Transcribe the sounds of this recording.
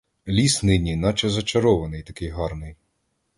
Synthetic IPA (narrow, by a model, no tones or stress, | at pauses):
lʲisnɪnʲinɑt͡ʃɛzɐt͡ʃɐɾɔʋɐnɪjt̪ɐkɪjɦɑrnɪj